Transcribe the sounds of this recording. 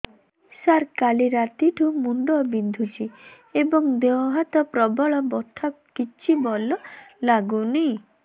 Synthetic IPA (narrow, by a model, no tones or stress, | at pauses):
saɾkaliɾat̪iʈʰumuɳɖɔbind̪ʱut͡ʃʰi | ebɔŋd̪eɔɦat̪ɔpɾɔbɔɭɔbɔt̪ʰa | kit͡ʃʰibɔlɔlaɡuni